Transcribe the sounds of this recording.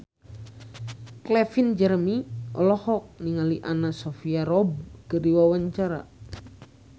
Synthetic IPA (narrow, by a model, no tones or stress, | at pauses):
klɛfind͡ʒɛrmiʔɔlɔhɔk̚niŋaliʔanasɔfiaɾɔb̚kədiwawaɲt͡ʃaɾa̰